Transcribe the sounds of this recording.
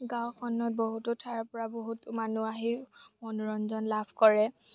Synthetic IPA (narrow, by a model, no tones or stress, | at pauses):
ɡãwkʰɔnːɔt̚boɦutʊtʰapɔɹaboɦutmanuaɦimɔnɹɔnzɔnlabʰkɔɹɛ